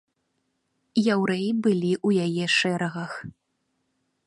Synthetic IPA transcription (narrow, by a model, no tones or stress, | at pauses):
jawɾɛjbɨlʲiʔujajɛʂɛɾɐɣɐx